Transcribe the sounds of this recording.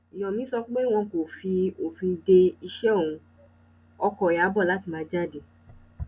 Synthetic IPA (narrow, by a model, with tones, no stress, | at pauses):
i˨jɔ̃˨mĩ˨˦sɔ˧˦k͡pe˦w̃ɔ̃˧ko˨fi˧o˨fĩ˧de˧i˧ʃɛ˦õ˦˨ũ˧ | ɔ˧kɔ˨a˨˦bɔ˦˨la˨˦ti˧mãː˨˧d͡ʒa˦˨de˨